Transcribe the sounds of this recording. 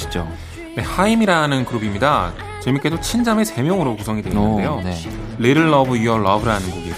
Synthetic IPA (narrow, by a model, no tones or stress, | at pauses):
i̥d͡ʑo | ne̞haimiɾanɯnkɯɾobimɲida | t͡ɕemuk͈e̞sʰot͡ɕʰind͡ʑame̞se̞mjʌŋɯɾokusʰʌŋidweiɯnde̞jone | leɾɯɭːʌbɯjiʌɭʌbɯɾanɯnɡuɡi